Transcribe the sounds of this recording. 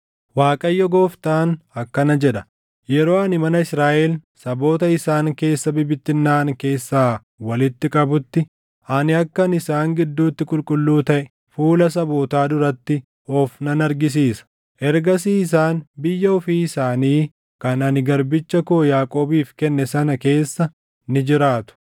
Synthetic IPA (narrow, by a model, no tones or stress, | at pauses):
waːkʼɐjːɔɡoːft̪aːnɐkːɐnɐd͡ʒɛᶑɐ̥ | jɛɾo̞ːɐnɪmɐnɐɪsɾaːʔɛlsɐbo̞ːt̪ɐɪsaːŋke̞ːsːɐbɪbɪt̪ːɪnːaːnke̞ːsːaː | wɐlɪt̪ːɪkʼɐbʊt̪ːɪ | ɐnɪɐkːɐnɪsaːŋɡɪd̪ːuːt̪ːɪkʼʊlkʼʊlːuːt̪ɐʔɛ | fuːlɐsɐboːt̪aːd̪ʊɾɐt̪ːɪ | ɔfnɐnɐɾɡɪs̬iːsɐ̥ | ʔɛɾɡɐsiːɪs̬aːnbɪjːɐɔfiːɪsaːniː | kɐnɐnɪɡɐɾbɪt͡ʃːɐkoːjaːkʼo̞ːbiːfkɛnːɛsɐnɐke̞ːsːɐ | nɪd͡ʒɪɾaːt̪ʊ̥